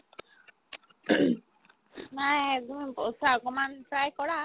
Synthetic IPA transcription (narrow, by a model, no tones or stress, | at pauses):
najt̪umipɔsaakɔmanpɾajkɔɹa